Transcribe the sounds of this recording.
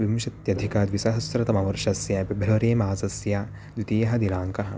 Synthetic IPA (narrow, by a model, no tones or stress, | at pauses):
ʋimʃɐt̪jɐd̪ʱikad̪ʋisɐɦɐsɾɐt̪ɐmɐʋɐɾʃɐsjɐbɐbʱɐlɐʋɐɾeːmaːsɐsja | d̪ʋit̪iːjɐɦɐd̪ilaːŋkɐɦɐ̆